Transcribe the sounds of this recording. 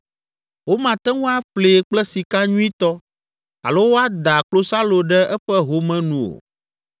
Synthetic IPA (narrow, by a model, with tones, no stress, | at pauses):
wo˦mã˨t̪ɛ˦ŋũ˦a˦ɸle˨k͡plɛ˦si˨ka˦ɲũ˦i˦t̪ɔ˦ | a̰˨lo˦wo˦a˦d̪a˨k͡plo˦sa˦lo˨ɖɛ˦ʔɛ˦ɸɛ˦ɦo˦mɛ̃˦nũ˨o̰˨